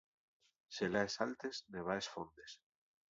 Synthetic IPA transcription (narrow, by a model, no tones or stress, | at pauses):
selaesalt̪esneβ̞aesfond̪es